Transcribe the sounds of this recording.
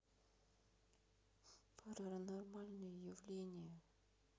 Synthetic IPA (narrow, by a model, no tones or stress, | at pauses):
pʰəɾəɾənormalʲnɨjəjɪvlʲenʲɪjə